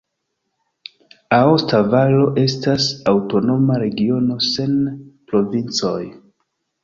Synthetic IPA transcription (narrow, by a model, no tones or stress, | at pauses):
aostavalo̞ʔe̞stasawto̞no̞maɾe̞ɡio̞no̞se̞npɾo̞vint͡so̞̰j